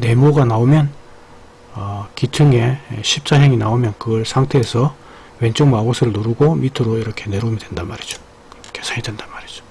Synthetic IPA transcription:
ne̞moɡanaomjʌn | ʌkitʰɯŋe̞ɕʰip̚s͈ʰaɦeŋinaomjʌnkɯɡʌɭsʰaŋtʰe̞ːsʰʌ | we̞nt͡ɕ͈ɯŋmabosʰɯɾɯɭnoɾuɡomitʰɯɾoiɾʌkʰe̞ne̞ɾomidwe̞ndanmaɾid͡ʑo̥ | kʰesʰaidwendamaɾid͡ʑo̥

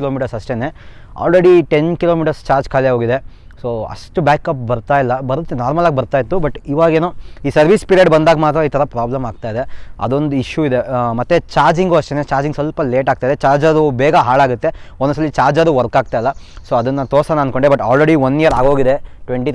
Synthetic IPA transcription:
loːmiːʈɐɾsɐʂʈene | a̰ːlɾeɽiʈe̞nkilo̞ːmiːʈɐɾst͡ʃaːɾd͡ʒkʰaːleɦoːɡid̪e̞ | soːɐ̰ʂʈubaːkɐp̚bɐɾt̪aːjilːɐbɐɾut̪ːenaːɾmɐlaːɡebɐɾt̪aːjit̪ːubɐʈiʋaːɡeːnuiːsɐɾʋispiɾieɖbɐnd̪aːɡɐmaːt̪ɾɐiːt̪ʰɐɾɐpɾaːblɐmaːɡ̚t̪aːjid̪eɐ̰d̪o̞nd̪uiʃjuid̪emɐt̪ːet͡ʃaːɾd͡ʒiŋɡuɐʂʈeːnet͡ʃaːɾd͡ʒiŋɡsɐlpɐle̞ːʈaːɡ̚t̪ajid̪et͡ʃaːɾd͡ʒɐɾubɛːɡɐɦaːɭaːɡut̪ːe̞onɐs̬ɐlːit͡ʃaːɾd͡ʒɐɾuʋɐɾkaːɡ̚t̪aːjilːɐsoːɐd̪ɐnːɐt̪oːsɐnaɐnd̪ko̞ɳɖebɐʈa̰ːlɾeɽiʋɐnːijɐɾaːɡo̞ːɡid̪e̞ʈʋeɳʈi

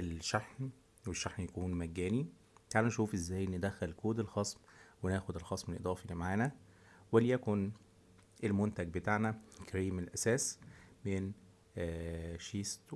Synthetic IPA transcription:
elʃaħn | weʃːaħnjækuːnmæɡːæːni | kaːlænʃuːfʔezːæːjned̪æxælkoːd̪elxɑːsˤmwenæːxod̪elxɑːsˤmenelʔed̪ˤɑːfilimaʕaːnæ | weljækon | ʔelmont̪æɡ̚bet̪aʕnækɾiːmelʔæsæːsmenː | ʃiːst̪

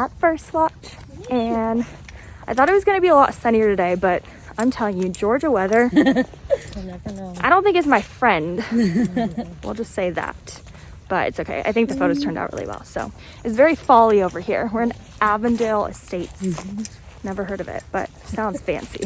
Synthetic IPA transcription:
ðətfɜ˞stwɑt͡ʃ | ɨ̃n | ʔaɪθɔɾɨt̚wʌzɡʌnɨbiəlɔɾəsɛ̃ɾ̃iə˞ɾɨdeɪbʌɾ | ãɪ̃mtʰɛlˠɪ̃ŋjɨd͡ʒɔɹd͡ʒəwɛðə˞ | aɪɾõʊ̃nθɪ̃ŋkɨtzmaɪfɹɛ̃nd̥ | wḭlˠd͡ʒʌstseɪðæ̰t̚ | b̥ʌ̰ɾɨ̰tsoʊkʰḛɪʔa̰ɪθɪ̃ŋk̚ðɨfoʊɾoʊz̥tʰɜ̃˞nda̰ʊʔ̚ɹɪ̰lˠḭwɛ̰lˠsoʊ | ɨtsvɛɹifɑlˠioʊvə˞hḭɹwəɹɨ̃n | ʔævɨ̃ndelˠɨ̰steɪts | nɛvə˞ɦɜ˞ɾʌvɪ̰t̚b̥ʌ̰t̚sãʊ̃ndz̥fæ̰̃nsḭ

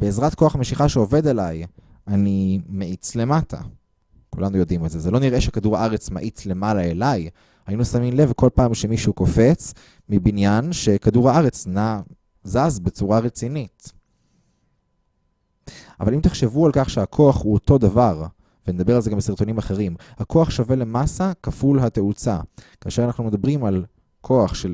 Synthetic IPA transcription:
b̥eːzʁatko̞aχameʃiχaʃeo̞ve̞d̪elaj | animeʔit͡sle̞matʰa̰ | kulanujo̞d̪imalzezelo̞niʁe̞ʃekaduʁaʔaʁe̞t͡sma̰ʔit͡sle̞malaelaj | hajinusaminle̞vko̞lpaːmʃe̞miʃuko̞fe̞t͡s | mibinjanʃe̞kaduʁaaʁet͡sna | zazbe̞t͡suʁaʁet͡sinit | a̰valimt̪eχʃe̞vualkaχʃeakʰo̞aχhuoto̞d̪avaʁ | vened̪abe̞ʁalzeɡambesiʁt̪o̞nimaχeʁimhako̞aχʃavele̞masakafulɦat̪e̞ut͡sa̰kaːʃe̞ʁanaχnume̞d̪abʁimal | kʰo̞aχʃe

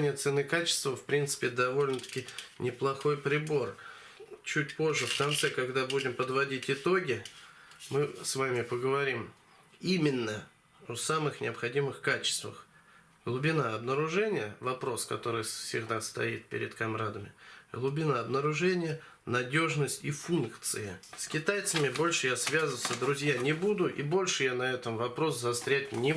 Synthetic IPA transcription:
nʲɪjət̪sɨnɨkat͡ɕɪ̥st̪vəfpɾʲint̪sɨ̥pʲɪd̪ɐvo̞lʲnət̪ə̥kʲɪnʲɪplˠɐxo̞jpɾʲɪbo̞r | t͡ɕutʲpo̞ʐːəfkɐnt̪sɛkɐɡd̪abudʲɪmpəd̪vɐdʲitʲɪt̪o̞ɡʲɪ | mɨsvamʲɪpəɡəvɐɾʲim | imʲɪnːə | osamɨxnʲɪ̰ɐpxɐdʲimɨxkat͡ɕɪ̥st̪və̰x | ɡlˠʊbʲɪnaɐbnəɾʊʐɛnʲɪjəvɐpɾo̞skɐ̰t̪o̞ɾɨjfsʲɪɡd̪ast̪ɐ̰it̪̚pʲɪ̰ɾʲɪ̰t̪kɐmɾad̪əmʲɪɡlˠʊbʲɪnaɐbnəɾʊʐɛnʲɪjə | nɐdʲo̞ʐnəsʲtʲifunkt̪sɨjɪsʲkʲɪt̪ajt̪səmʲɪbo̞lʲʂɨjasvʲazəsəd̪ɾʊzʲjanʲɪbud̪ʊʔḭbo̞lʲʂɨjanɐɛt̪əmvɐpɾo̞szɐst̪ɾʲætʲnʲɪ

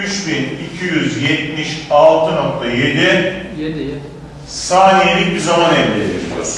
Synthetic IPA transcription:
yt͡ʃbinicʰijyzjɛt̪miʃalˠt̪ʰɯno̞k̚t̪ʰaje̞d̪ɪ | saːnijelʲic̚bizamanɛlʲd̪ʲḛd̪ʲḭbʲḭjo̰

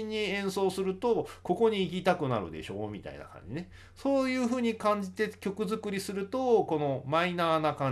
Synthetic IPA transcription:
iɲ̟ːiẽ̞ɰ̃so̞ːsɨɾɯ̟t̪o̞ko̞ko̞ɲ̟iːk̬ʲit̪akɯ̟na̰ɾɯ̟̰d̪e̞̰ɕo̞̰ːmʲit̪a̰ḭna̰kã̰ɲ̟d͡ʑine | so̞ːjɯ̟ːɦɯ̟ːɲ̟ikãɲ̟d͡ʑit̪e̞kʲo̞kɯ̟zɨkɯ̟ɾʲisɨɾɯ̟t̪o̞ko̞no̞mainaːnakã

